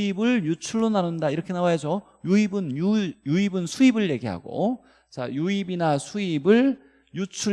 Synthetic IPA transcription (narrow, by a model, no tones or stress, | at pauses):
ibɯɭjut͡ɕʰuɭːonanɯndaiɾʌkʰe̞nawaɦe̞sʰʌ | juibɯnjujuibɯnsʰuibɯɭje̞ɡiɦa̰ɡo̰ | t͡ɕa̰juibinasʰuibɯɭ | jut͡ɕʰu